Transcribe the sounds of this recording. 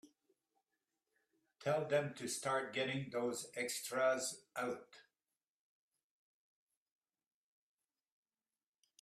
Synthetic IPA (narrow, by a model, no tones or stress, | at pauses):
tʰɛlˠðɨ̃mtʰɨstɑɹt̚ɡ̥ɛɾɪ̃ŋðoʊzɛkstɹ̥əzʔaʊt